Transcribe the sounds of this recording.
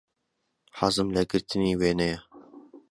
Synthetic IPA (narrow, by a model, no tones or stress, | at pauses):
ħazɨmlɐɡɨɾt̪ʰɨniːweːnɛjɛ